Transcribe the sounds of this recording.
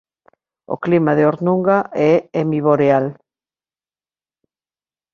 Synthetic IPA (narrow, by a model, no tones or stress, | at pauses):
o̰klimaðeoɾnuŋɡaʔɛemiβoɾeal